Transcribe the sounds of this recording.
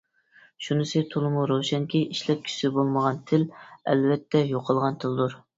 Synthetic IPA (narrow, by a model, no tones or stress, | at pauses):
ʃunɨsɨt̪ʰulˠɨmuɾowʃɛŋkʲiʔiʃlɛp̚kʲʰy̥sɪbolˠməʁɑnt̪ʰɪlɛ̰lvɛt̪ʰːɛjoqʰəlˠʁɑnt̪ʰɪld̪uɾ